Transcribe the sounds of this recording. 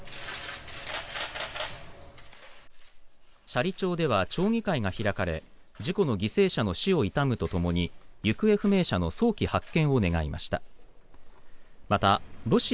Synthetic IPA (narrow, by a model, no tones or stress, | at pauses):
ɕaɾʲit͡ɕo̞ːd̪e̞β̞at͡ɕo̞ːŋ̟ʲikaiɡaçiɾakaɾe̞̰ | d͡ʑiko̞no̞ɡʲise̞ːɕano̞ɕio̞it̪amɯ̟t̪o̞t̪o̞mo̞ɲ̟ijɯ̟kɯ̟e̞ɸɯ̟me̞ːɕano̞so̞ːkʲihakːẽ̞ɰ̃o̞ne̞ɡaimʔa̰ɕi̥t̪a | mat̪aɾo̞ɕi